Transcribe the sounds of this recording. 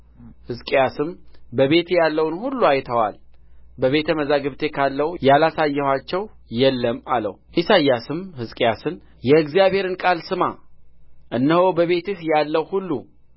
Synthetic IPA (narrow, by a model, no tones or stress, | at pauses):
hɨzkʼjasɨmbəβe̞t̪ʰjalːəwnhulːuajt̪ʰəwa̰lbəβe̞t̪ʰəməzaɡɨβt̪ʰe̞kʰalːəwjalasajːɛhʷwat͡ʃːɛw | jɛlːəmalə̰wʔisajːasɨmhɨzkʼjasɨn | jɛɨɡzijaβhe̞ɾɨnkʼalsɨma | ʔɨnːəhobəβe̞t̪ɨhjalːəwhulːu